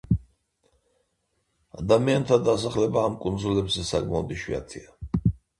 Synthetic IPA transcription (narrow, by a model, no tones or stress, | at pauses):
ad̪amiant̪ʰad̪asaχlɛbaːmkʼunzulɛbzɛsakʼmaɔd̪iʃwḭa̰t̪sʰia